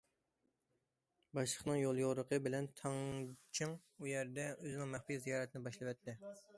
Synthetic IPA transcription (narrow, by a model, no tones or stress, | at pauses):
bɑʃlˠəχnɨŋjolˠjoʁɾəqʰəbɪlɛnt̪ʰɑŋt͡ʃʰɨŋ | ujɛɾd̪ɛʔøzɪnɪŋmɛχfijzijɑːɾɛt̪ʰɪnɪbɑʃlˠɨwɛt̪ʰːɪ